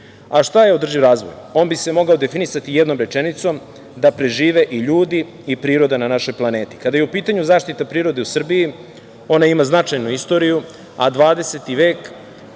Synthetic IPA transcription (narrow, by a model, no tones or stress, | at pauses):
aʃt̪ajeod̪r̩ʒivɾaːzʋo̞̰jo̞ːnbise̞mo̞ɡao̞d̪e̞finisat̪ijed̪no̞ːmɾet͡ʂenit̪so̞m | d̪apɾe̞ʒiːʋe̞ʔiʎuːd̪i | ipɾiːɾo̞d̪ananaʃo̞jplˠane̞ːt̪i̥kad̪ajeupiːt̪aɲuzaːʃt̪it̪apɾiːɾo̞d̪e̞usr̩biji | o̞naimaznat͡ʂajnuist̪o̞ɾiju | a̰d̪ʋaːd̪e̞se̞t̪iʋe̞ːk